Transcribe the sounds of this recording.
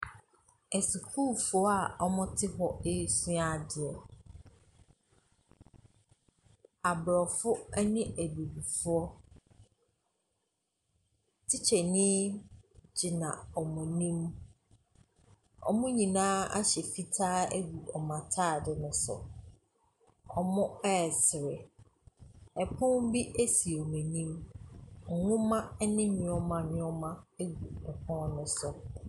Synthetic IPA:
ɛ˨si˨kʰuː˦˨fʊ˨˦ɔ˦a˨ɔ˦mʊ̃˦tʰɪ˦ɦɔ˨e˦˨su˦a˦˨dɪ˨ɛ˨ | a˨bɾɔ˨fʊ˦ɛ˦nɪ̃˦æ˨bi˨bi˨fʊ˦ɔ˦ | tʰɪ˦t͡ɕʰɛ˨nɪ̃˦ | d͡ʑɪ˨nã̰˨ɔ˨mʊ̃˨nĩ˦m | ɔ̰˨mʊ̃˦ɲĩ˨nãː˦a̰˦ɕɛ˨fi˦tʰaː˦e˦ɡu˨ɔ˨mã˨tʰaː˦˨dɪ˨nʊ̃˦sʊ̰˨ | ɔ˨mʊ̃˦ɛ˦˨sɪ˨ɾɪ˨ | ɛ˨pʰʊ̃˦m̩˦bi˦ʔe˦si˨o˨mẽ˨nĩ˦m | ŋ̩˨ŋʊ̃˦mã˦nɪ̃˦ɲɪ̃˨ɔ˦mã˨nɪ̃˦ɔ˦mã˦e˦ɡu˨ɛ˨pʰɔ̃˦nʊ̃˦sʊ˨

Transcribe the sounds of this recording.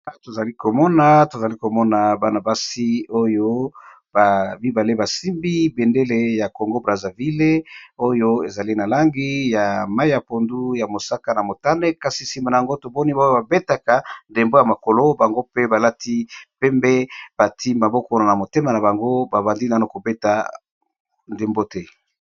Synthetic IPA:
to˨za˨li˦ko˨mɔ˦na˨to˨za˨li˦ko˨mɔ˦na˨ba˦na˨ba˦si˦o˦jo˦ | ba˨bi˦ba˨le˦ba˨si˦mbi˦be˨nde˦le˦ja˨ko˨ŋɡo˦bʁa˨za˨vi˦le˦o˦jo˦e˨za˨li˦na˨la˦ŋɡi˦ja˨ma˦i˦ja˨po˨ndu˦ja˨mo˨sa˦ka˦na˨mo˨ta˦ne˦ka˦si˨si˨ma˨na˨a˨ŋɡo˦to˨bɔ˦ni˦bo˦o˦ba˨be˦ta˨ka˨nde˨mbo˦ja˨ma˨ko˨lo˦ba˨ŋɡo˦pe˦ba˨la˦ti˦pɛ˦mbɛ˦b̥a˨tʰi˦ma˨bɔ˦ko˦na˨na˨mo˨te˦ma˨na˨βa˨ŋɡo˦ba˨ba˨ndi˦n˨˦na˨ko˨be˦ta˨ | nde˨mbo˦tɛ˦

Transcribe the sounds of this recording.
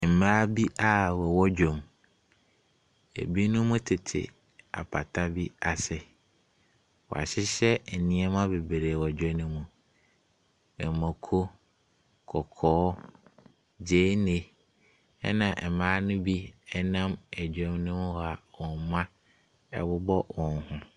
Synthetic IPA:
m̩˨mãː˦bi˦ʔa˦wɛ˨wɔ˦d͡ʑᶣɔ̃˨m | ḛ˨bi˦nʊ̃˦mũ˦tʰɪ˨tʰɪ̰˨ | a̰˨pʰa˨tʰa˦bi˦a˨sɪ˨ | wɔ̰˨a̰˨ɕɪ˦ɕɛ˦n̩˨nɪ̃˦ɛ˦mã˦be˨be˨ɾeː˨wɔ˨d͡ʑᶣɔ˦nʊ̃˦mũ˨ | ɛ˨mɔ̃˨kʰo˦ | kʰɔ˨kʰɔː˨˦ | d͡ʑe˨˦nẽ˦ | ɛ˦nã˨ʔɛ˨mãː˨˦nʊ̃˦bi˦ɛ˦nã˦mɛ˨d͡ʑᶣɔ˦mnʊ̃˦mũ˦˨a˨wɔ̃˨nmã˦ | ɛ̰˨wʊ˦bɔ˦wɔ̃˨nhʊ̃˦

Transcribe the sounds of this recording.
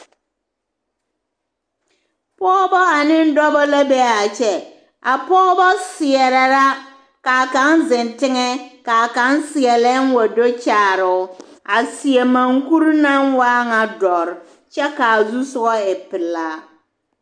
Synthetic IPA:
pɔː˦bɔ˦a˨nɪ˦n˦dɔ˦bɔ˦la˦bɛ˦a˨t͡ʃɛ˨ | a˨pɔː˦bɔ˦sɪ˨ɛ˨ɾɛ˨ɾa˦ | ka˨ka˦nzɪ˨ntɪ˦ŋɛ˦ka˨a˨ka˦nsɪ˨ɛ˨lɛ˦n˦wa˨do˦t͡ʃaː˨ɾɪ˨ʊ˦a˨sɪ˨ɛ˨ma˨ŋku˦ɾna˦nwaː˦ŋa˨dɔ˨ɾɪ˨ | t͡ʃɛ˦ka˨zu˦sʊ˦ɡɔ˦ɪ˨pɪ˨laː˦

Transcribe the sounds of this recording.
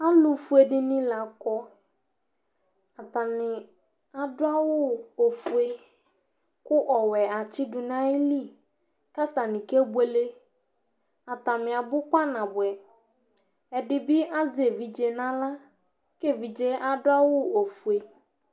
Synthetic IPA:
a˦lʊ˨fu˨˦e˨dɪ˦nɪ̃˦la˨kɔ˦ | a˨ta˨nɪ̃˨ | a˨dʊ˦a˦wʊ˦o˨fu˨e˦ | kʊ˦ʔɔ˨wɛ˨a˨t͡ʃɪ˦dʊ˨nã˦ɪ˦li˦ | ka˦t̪a˨nɪ̃˨ke˦bwe˦le˦ | a˨t̪a˨mɪ̃˨a˨bʊ˦ka˦nã˨bʊ˨ɛ˨ | ɛ˨dɪ˨bɪ˦a˦ze˨vi˨d͡ʒe˨nã˦la˦ | ke˦vi˨d͡ʒe˦a˨dʊ˦a˦wʊ˦o˨fu˨e˨

